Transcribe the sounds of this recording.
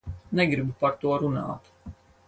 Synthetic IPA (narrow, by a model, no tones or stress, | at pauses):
nɛɡɾibupaɾt̪uɔɾuna̰ːt̪